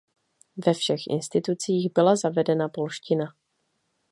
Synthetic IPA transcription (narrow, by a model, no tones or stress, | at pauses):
vɛfʃɛxʔɪ̰nst̪ɪt̪ut͡siːɣbɪlazavɛdɛnapo̞lʃcɪna